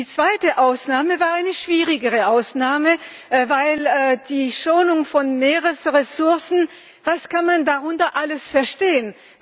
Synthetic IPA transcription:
iːt͡sv̥aɪtəʔaʊsnaːməvaːɐaɪnəʃv̥iːʁɪɡəʁəʔaʊsnaːmə | vaɪlːd̥iːʃoːnʊŋfɔnmeːʁəsʁesʊɐsn̩ | vaskʰanmandaʁʊntɐʔaləsfɛɐʃteːən

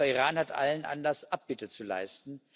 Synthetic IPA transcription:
ɐiʁaːnhatʔa̰lənʔa̰nlasʔap̚b̥ɪtət͡sula̰ɪstn̩

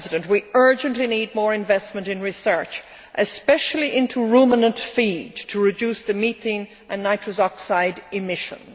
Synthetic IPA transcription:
zɪɾə̃nʔwiɜ˞d͡ʒə̃nʔlinid̚mɔːɹɨ̃ɱvɛsmə̃ntɨ̃nɹɨsɜ˞t͡ʃ | ʔɨspɛʃl̩ˠiʔɪ̃ntʰuɹumənə̃ntfidtʰəɹɨdʉsðɨmiθɪ̃n | ʔə̃nːaɪtɹ̥əzɑksaɪdɪmɪʃə̰̃n

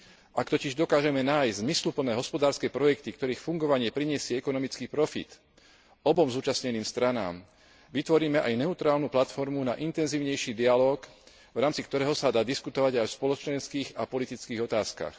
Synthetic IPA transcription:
ʔakt̪ɔciʒd̪ɔkaːʒɛmɛnaːjzmislupl̩nɛːɦɔspɔd̪aːɾskɛjpɾɔjɛkt̪ikt̪ɔɾiːxfuŋɡɔʋaɲɪɛpɾiɲɪɛsɪɛɛkɔnɔmit͡skiːpɾɔfḭt̪ | ɔbɔmzuːt͡ʃasɲɛniːmst̪ɾana̰ːm | ʋit̪ʋɔɾiːmɛʔajnɛut̪ɾaːlnuplat̪fɔɾmunaʔint̪ɛnziːʊɲɛjʃiːd̪ialɔːk | vɾaːmt͡sikt̪ɔɾɛːɦɔsad̪aːd̪iskut̪ɔʋaɟajɔspɔlɔt͡ʃɛnskiːɣapɔlit̪it͡skiːɣɔt̪aːska̰x

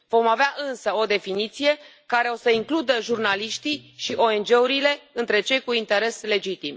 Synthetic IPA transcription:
vo̞maveaʔɨnsəo̞d̪e̞finit̪sije̞ | kaɾe̞o̞səiŋklud̪əʒurnaliʃt̪iʃiʔo̞e̞nd͡ʒe̞uɾile̞ɨnt̪ɾe̞t͡ʃe̞jkuint̪e̞ɾe̞sle̞d͡ʒit̪im

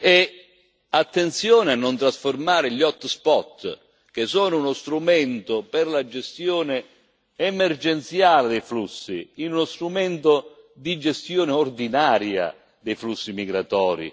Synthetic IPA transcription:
ɛ | at̪ːent̪sjɔːnɪanːont̪ɾasformaːɾɪʎɔt̪ːspɔt̪ː | k̟esɔːnʊunost̪ɾumɛnt̪opɪrlad͡ʒest̪jɔːnɪ | ɛmerd͡ʒɛnt̪sjaːlɪd̪ɛjflusːḭinunost̪ɾumɛnt̪o | d̪id͡ʒest̪jɔːnɪord̪inaːɾja̰ | d̪ejflusːimiɡɾat̪ɔːɾḭ

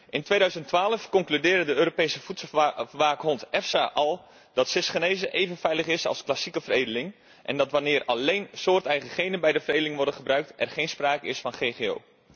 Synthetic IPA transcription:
ʔɪntʋejdœɥzəntʋaːləfkɔŋklydɪːrdədəøːɾopejsəfutsəlˠʋaːkɦɔntɛfsaʔɑlˠ | d̥ɑtsɪsχənejzəʔejvənfɛjləχɪsɑ̰lˠsklasikəvərejdəlɪŋ | ʔɛ̰ndɑtʋanɪːrɑlejnsoːrtɛjχəχejnənbɛjdəfərejdəlɪŋʋɔrdəχəbrœɥk̚tʔɛrχejnspraːkəɪsfɑnχejχeo̰w

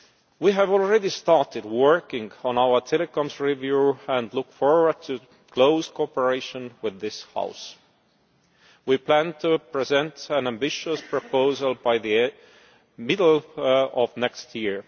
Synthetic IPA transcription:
wiɦævɔlɹɛdistɑɹtɨd̚wɜ˞kɪ̃ŋɡɔ̃naʊə˞tʰɛlɛkɔ̃mzɹivjuæ̃ndlʊkfɔɹwə˞d̚tʰɨ | kʰl̥oʊz̥kʰopəɹeɪʃə̃nwɪðːɪsha̰ʊs | wipʰl̥æ̃ntʰupʰɹ̥izɛ̃ntæ̃næ̃mbɪʃəspɹ̥ɔpoʊzəlˠbaɪði | mɪdl̩ɔvnɛkstʰjiɹ

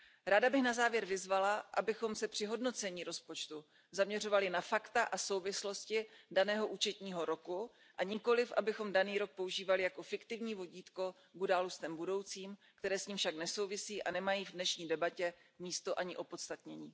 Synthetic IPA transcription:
ɾaːdabɪxnazaːvjɛɾvɪzvalaʔa̰bɪxo̞msɛpr̥ɪɦo̞dno̞t͡sɛɲiːɾo̞spo̞t͡ʃt̪u | zamɲɛr̝ovalɪnafakt̪aʔaso̞wvɪslo̞scɪdanɛːɦo̞ʔuːt͡ʃɛt̪ɲiːɦo̞ɾo̞ku | ʔaɲɪko̞lɪfʔabɪxo̞mdaniːɾo̞k̚po̞uʒiːvalɪjako̞fɪkt̪ɪvɲiːvo̞ɟiːt̪ko̞ | ɡudalust̪ɛmbudo̞wt͡siːmkt̪ɛɾɛːsɲiːmfʃaknɛso̞wvɪsiːʔanɛmajiːvdnɛʃɲiːdɛbacɛmiːst̪o̞ʔaɲɪʔo̞po̞t̪st̪at̪ɲɛɲiː

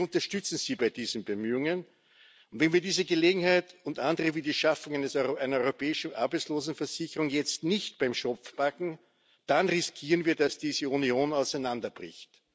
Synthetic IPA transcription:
ʊ̃ntɐʃtʏt͡sn̩z̥iːbaɪdiːzn̩bəmyːʊŋən | ʊntvɛnviːɐdiːzəɡəleːɡŋ̩haɪtʊntʔãndəʁəviːdiːʃafʊŋæɪnəsʔæɪnɐɔʏʁopɛːɪʃn̩ʔa̰ɐbæɪt͡sloːzn̩fɛɐz̥ɪçəʁʊŋjɛt͡stnɪçtb̥aɪmʃɔpp͡fpakŋ̩ | d̥anʁɪskʰiːʁənviːɐdasd̥iːzəunioːnaʊsæɪnandɐb̥ʁɪ̰çt

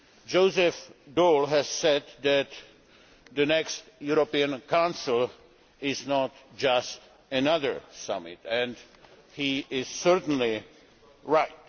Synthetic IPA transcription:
d͡ʒoʊzɛfdolˠɦɨz̥sɛd̪̚ðæt̪ | ðɨnɛkstjuɾopiɨ̃nkʰãʊ̃nsl̩ˠ | ɪznɔtd͡ʒʌst | ɨnʌðə˞sʌmɪ̰tɛ̃n | hiɪz̥sɜɹtn̩li | ɹaɪt̚

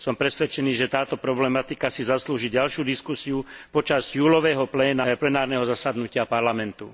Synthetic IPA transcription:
sɔmpɾɛsʋɛt͡ʃɛniːʒɛt̪aːt̪ɔpɾɔblɛmat̪ikasizasluːʒiɟalʃjuːd̪iskusiupɔt͡ʃazjuːlɔʋɛːɦɔplɛːnaplɛnaːɾnɛɦɔzasad̪nucɪapaɾlamɛnt̪ṵ

